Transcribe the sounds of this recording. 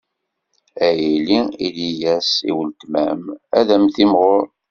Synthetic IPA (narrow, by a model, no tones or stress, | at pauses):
æjiliḭlijæsḭwəlt̪mæmæðæmθimʁʊɾ